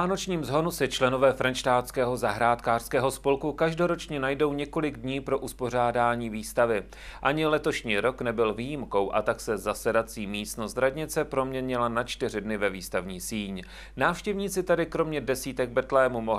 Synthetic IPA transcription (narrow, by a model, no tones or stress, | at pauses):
aːnot͡ʃɲiːmzɦo̞nusɪt͡ʃlɛno̞vɛːfɾanʃt̪aːt̪skɛːɦo̞zaɦɾaːt̪kaːr̥skɛːɦo̞spo̞lkukaʒdo̞ɾo̞t͡ʃɲɛnajdo̞wɲɛko̞lɪɡdɲiːpɾo̞ʔuspo̞r̝aːdaːɲiːviːst̪avɪ | ʔaɲɪlɛt̪o̞ʃɲiːɾo̞knɛbɪlviːjimko̞wʔa̰t̪aksɛzasɛdat͡siːmiːst̪nost̪ɾadɲɪt͡sɛpɾo̞mɲɛɲɪlanat͡ʃt̪ɪr̝ɪdnɪvɛviːst̪avɲiːsiːɲ | naːfʃcɛvɲiːt͡sɪt̪adɪkɾo̞mɲɛdɛsiːt̪ɛɡ̚br̩t̪lɛːmumoɦ